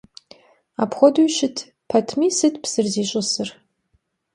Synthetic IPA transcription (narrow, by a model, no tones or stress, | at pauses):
apʰχʷoduɥʃɪtʰ | pʰɐtʰmisɨtʰpʰsɨrziɕʷʼʊsɨr